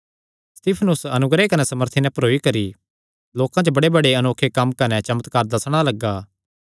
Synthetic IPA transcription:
st̪iːpʰnʊsɐnʊɡɾekɐnɛsɐməɾt̪ʰinɛ̃pɐɾoːikɐɾi | loːkãt͡ʃəbɐɽebɐɽeɐnoːkʰekɐmkɐnɛt͡ʃɐmət̪kɐɾd̪ɐsɽ̃alɐɡːaː

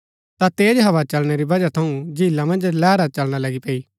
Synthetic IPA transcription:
t̪at̪eːd͡ʒɦɐʋat͡ʃɐlɽ̃eɾibɐd͡ʒat̪ʰɐũd͡ʒiːlːamɐ̃nd͡ʒlɛːɾat͡ʃɐlɽ̃alɐɡipeːi

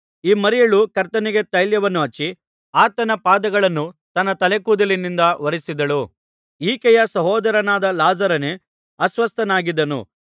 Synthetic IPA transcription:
iːmɐɾɛjɐɭukɐɾt̪ɐniɡe̞t̪ɐjljɐʋɐnːuɦɐt͡ʃːi | aːt̪ɐnɐpaːd̪ɐɡɐɭɐnːut̪ɐnːɐt̪ɐlekuːd̪ɐlinːind̪ɐʋɐɾisid̪ɐɭu | iːkɛjɐsɐɦɔːd̪ɐɾɐnaːd̪ɐlaːd͡ʒɐɾɐne | ɐsʋɐst̪ɐnaːɡid̪ɐnṵ

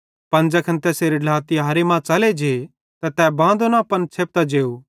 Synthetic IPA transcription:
pɐnd͡ʒɐkʰɐ̃nt̪ɛseːɾɪɖlaːt̪iɦaɐːɾemãːt͡sɐled͡ʒe | t̪ɛt̪ɛbãːnd̪onapɐnt͡ʃʰeːp̚t̪ad͡ʒeːuː

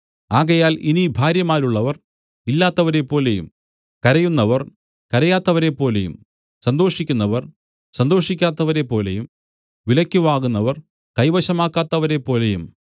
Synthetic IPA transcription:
aːɣɐjaːlinibʱaːɾjɐmaːluɭːɐʋɐr | ilːaːt̪ːɐʋɐɾe̞pːo̞ːle̞jṵm | kɐɾɐjunːɐʋɐr | kɐɾɐjaːt̪ːɐʋɐɾe̞pːo̞ːlejṵm | sɐnd̪o̞ːʂikʲːunːɐʋɐr | sɐnd̪o̞ːʂikʲːaːt̪ːɐʋɐɾe̞pːo̞ːle̞̰jum | ʋilɐkʲːuʋaːɣunːɐʋɐr | kɐjʋɐɕɐmaːkːaːt̪ːɐʋɐɾe̞pːo̞ːle̞jum

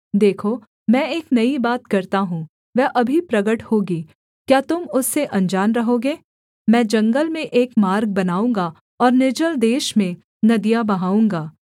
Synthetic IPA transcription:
d̪eːkʰoː | mɛ̃ːeːknɐibaːt̪kɐɾt̪aɦũː | ʋɛːʔɐbʱipɾɐɡəʈhoːɡiː | kjaːt̪ʊmʊsːeʔɐ̃nd͡ʒaːnɾɐɦoːɡeː | mɛ̃ːd͡ʒɐ̃ŋɡəlmẽʔeːkmaːɾɡ̚bɐnaːũːŋɡa | ɔːɾnɪd͡ʒəld̪eːʃmẽ | nɐd̪ijabɐɦaːũːŋɡaː

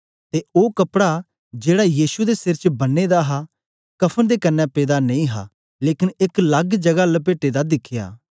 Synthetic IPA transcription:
t̪eoːkɐpɽa | d͡ʒeːɽajiːsud̪esɪɾt͡ʃbɐnːeːd̪aɦa | kɐpʰənd̪eːkɐnːɛ̃peːd̪anɐ̃ĩɦa̰ | leːkɪnɪklɐɡd͡ʒɐɡaləp̬eːʈed̪ad̪ɪkʰɪja̰ː

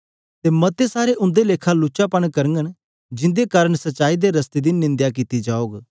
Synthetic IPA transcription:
t̪eːmɐt̪esaːɾeʔʊ̃nd̪eleːkʰalʊt͡ʃapɐɽ̃kɐɾəŋɡəñ | d͡ʒɪ̃nd̪ekaːɾəɽ̃sɐtːt͡ʃaːid̪eɾɐst̪ed̪inɪ̃nd̪jakiːt̪id͡ʒaːoːɡ

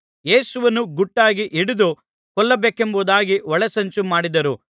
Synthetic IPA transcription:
jeːsuʋɐnːuɡuʈːaːɡiʔiɽud̪u | kɔɭːɐbeːkembuːd̪aːɡiʋɔɭɐsɐɲt͡ʃumaːɽid̪ɐɾu

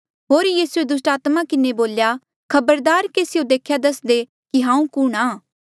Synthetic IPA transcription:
ɦoːɾjiːsued̪ʊsʈaːt̪makɪneboːlja | kʰɐbəɾd̪aːɾkeːsɪjod̪eːkʰjad̪ɐsd̪e | kiɦãːũkʊɽ̃aː

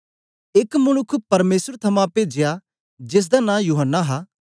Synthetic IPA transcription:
ɪkmɐnʊkʰpɐɾmeːsəɾt̪ʰɐmãped͡ʒɪja | d͡ʒɪs̬d̪anãːjuːɦənːaɦaː

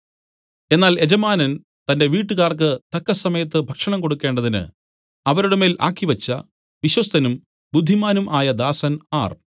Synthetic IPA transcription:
e̞nːaːle̞d͡ʑɐmaːnɐn | t̪ɐnde̞ʋiːʈːuɣaːrk̬ɨt̪ɐkːɐsɐmɐjɐt̪̬ːɨbʱɐkʂɐɳɐmko̞ɽukːe̞ːɳɖɐðinɨ̰ | ɐʋɐɾuɽɐme̞ːlʔa̰ːkːiʋɐt͡ɕːɐ | ʋiɕwɐst̪ʰɐnum | bud̪ʱːimaːnumʔaːjɐd̪aːsɐnaːr

